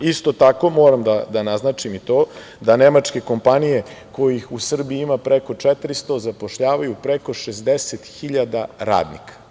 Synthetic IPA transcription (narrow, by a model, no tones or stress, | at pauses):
ist̪o̞t̪ako̞moːɾamd̪ad̪anaznat͡ʃimit̪o̞ː | d̪anemat͡ʃke̞ko̞mpanije̞ko̞jixusr̩biimapɾeko̞t͡ʂɛt̪ɾist̪o̞zapo̞ʃʎaːʋajupɾeko̞ʃezd̪eset̪xiʎad̪aɾa̰ːd̪nḭkʰḁ